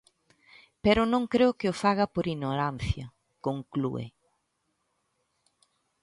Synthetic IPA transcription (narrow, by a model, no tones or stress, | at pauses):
peɾʊnõŋkɾeʊkɪofaɣɐpoɾiɲnoɾan̟θjɐ | koŋklṵḛ